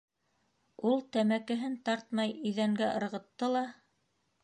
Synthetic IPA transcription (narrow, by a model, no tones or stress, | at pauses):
ulˠt̪æmækɘ̆ɦɘnt̪ɑɾt̪̚mɑjɵ̆jðæŋɡæʔɤ̆ɾʁɤ̆t̪ːɤlˠɑ